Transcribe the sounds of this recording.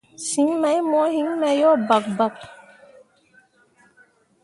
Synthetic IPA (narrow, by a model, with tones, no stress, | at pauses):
si˨˦ŋmɛ˨˦jmɔ˨˦ɦi˦ŋmɛ˨jɔː˦˨ba˨k̚ba˦˨k̚